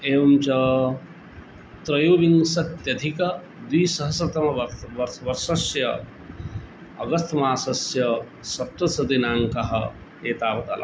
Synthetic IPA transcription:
eːʋɐmt͡ʃɐ | t̪ɾɐjoːʋiŋsɐt̪jɐd̪ʱikɐ | d̪ʋiːsɐɦɐsɐt̪ɐmɐʋɐʋɐɾʋɐɾʃɐsjɐ | ɐɡɐst̪ʰɐmaːsɐsjɐ | sɐt̪ʋɐsɐd̪inaːŋkɐɦɐ̰ | eːt̪aːʋɐt̪ɐ̰lɐ̰

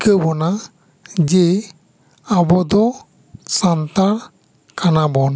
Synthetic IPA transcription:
kəbɔna | d͡ʒe | abɔd̪ɔ | sant̪aɽ | kanabɔn

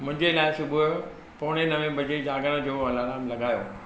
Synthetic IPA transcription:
mʊ̃ɪ̃ɲd͡ʑelaːɪsʊbʊ | poːɽ̃enɐʋẽbʱɐd͡ʑed͡ʑaːɡəɽ̃ə̆d͡ʑoːɐlaːɾaːmlɐɠaːjo

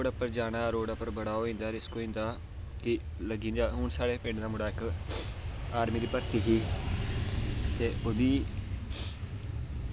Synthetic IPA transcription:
ɽəpːəɾd͡ʒaːɽ̃aːɾoːɽəpːəɾbəɽaːoːĩːnd̪aːɾɪskoːĩːnd̪aː | kɪ | ləɡĩːnd̪aːɦʊɳsaːɽeːpɪ̃ːɳɖd̪aːmʊɽaːɪk | aːɾmiːd̪iːpəɾt̪iːɦiː | t̪eːʊd̪iː

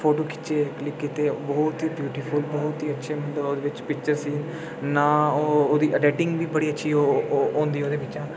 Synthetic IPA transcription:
pʰoːʈoːkɪ̥t͡ʃeːklɪpkɪt̪eːbɔːt̪ɦiːbjuːʈiːpʰʊlbɔːt̪iːətːʃʰeːmənəoːd̪eːʋɪt͡ʃpɪk̚t͡ʃəɾsiː | nãːooːd̪iːʔəɖɛːʈɪ̃ŋɡʋiːbəɽiːətːʃʰiːoõːnd̪iːɛoːd̪eːbɪtt͡ʃãː

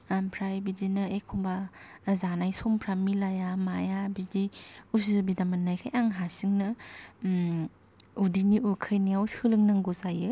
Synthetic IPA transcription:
pʰɾajbizinɯekʰɔmbazanajsompʰɾamilajamajabiziuzɯbidamanːajkʰajaŋɦasiŋnɯ | udiniukʰɯjnijawsɯlɯŋnaŋɡozajɯ

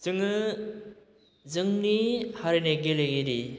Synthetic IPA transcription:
z̥ɯŋɯ | zɯŋnihaɾineɡileɡeɾi

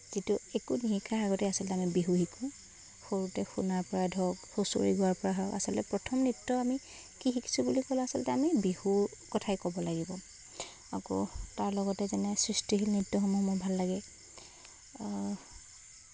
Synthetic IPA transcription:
zituekunihikʰːaaɡɔtɛasɔlɔtɛamibiɦuhikʰʊ̃ | xoɹutɛxunaɹpɔɹadʱɔɡhoso̰ɹḭɡʊwaɹpɔɹaɦɔka̰sɔlɔtɛpɹɔtʰɔmnitːɔami | kixiki̥sʰubulikɔlasɔlɔtɛamibihukɔtʰajkɔbɔlaɡibɔ | a̰kɔ̰taɹlɔɡɔtɛzɛnɛsɹistiɦilnitːɔxɔmɔmɔbʱalːaɡɛ

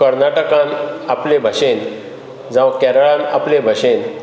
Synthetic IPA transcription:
kəɾnaʈəkãnaplebʱəɕen | d͡zãʋkɛɾəɭãnaplebʱəɕen

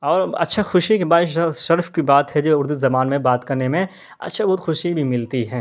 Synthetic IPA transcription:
ɔːɾɐ̰tːʃʰaxʊʃikebaːʃɐɾfkibaːt̪ɦɛd͡ʒoːʊɾd̪uzɐmaːnmẽbaːt̪kɐɾnemẽ | ɐ̰tːʃʰabɔːʊt̪xʊʃibʱimɪlt̪iɦɛː

